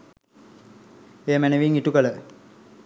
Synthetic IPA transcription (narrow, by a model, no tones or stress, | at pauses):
eːmænəʋiŋiʈukələ